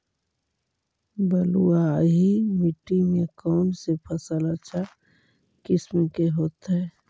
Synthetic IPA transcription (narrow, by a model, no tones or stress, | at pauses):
bəluaɦimiʈːimekɔːnsepʰəsələt͡ʃʰa | kɪsmẽkeɦoːt̪ɦɛ